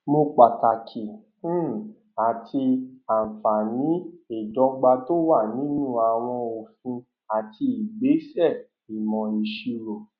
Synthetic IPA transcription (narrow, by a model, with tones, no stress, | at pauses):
mo˧k͡pa˨ta˨kʰĩ˨˦˨ | a˨tʰi˧a˨fa˨nĩ˨˦e˦˨dɔ˧ɡ͡ba˧to˦wa˦˨nĩ˨˦nũ˦˨a˨w̃ɔ̃˧o˨fĩ˧ | a˨ti˧i˨ɡ͡be˨˦sɛ˦˨ | i˨mɔ̃˨i˨ʃi˧ɾo˨